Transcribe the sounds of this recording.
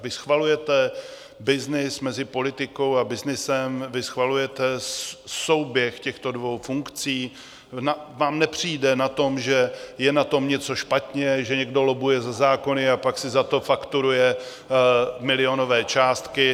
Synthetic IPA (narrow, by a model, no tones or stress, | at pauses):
vɪsxvalujɛt̪ɛ | bɪznɪsmɛzɪpo̞lɪt̪ɪko̞wabɪznɪsɛmvɪsxvalujɛt̪ɛso̞wbjɛxcɛxt̪o̞dvowfuŋkt͡siː | navaːmnɛpr̝̥iːdɛnat̪o̞mʒɛjɛnat̪o̞mɲɛt͡so̞ʃpat̪ɲɛʒɛɲɛɡdo̞lobujɛzazaːko̞nɪapaksɪzat̪o̞fakt̪uɾujɛ | mɪlɪo̞no̞vɛːt͡ʃaːst̪kɪ